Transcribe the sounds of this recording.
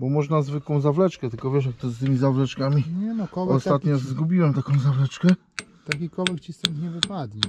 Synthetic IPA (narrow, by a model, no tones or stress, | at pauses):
bɔmɔʐnazvɘkwɔ̃w̃zavlɛt͡ʂkɛt̪ɘlkɔvʲjɛʂ̬jak̚t̪ɔst̪ɘmʲizavlɛt͡ʂkamʲiɲɛnɔkɔɔsat̪ɲɔzzɡubʲiwɛmt̪akɔ̃w̃zavlɛt͡ʂkɛ | t̪akʲikɔvɛkt͡ɕist̪ɛnkɲɛvɨpad̪ɲi